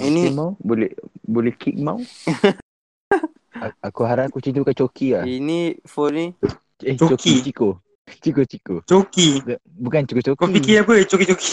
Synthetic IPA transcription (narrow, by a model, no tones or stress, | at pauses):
inimauwbolɛ̰bolɛhkik̚ma̰w | akuɦaɾakut͡ʃint̪ukaʔt͡ʃokiainifɔni | ɛht͡ʃot͡ʃokit͡ʃiko | t͡ʃikot͡ʃikot͡ʃoki | bukant͡ʃikot͡ʃokoipikiaput͡ʃokit͡ʃoki̥